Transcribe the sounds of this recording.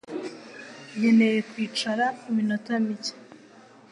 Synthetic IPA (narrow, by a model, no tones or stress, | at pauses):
je̞ne̞je̞kwiːt͡ʃaɾaiminotamice̥